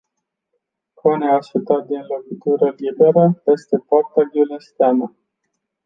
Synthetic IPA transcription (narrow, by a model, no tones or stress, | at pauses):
koneaʃut̪at̪̚d̪inlokit̪uɾəlibe̞ɾəjest̪e̞poart̪aɡulenst̪eanə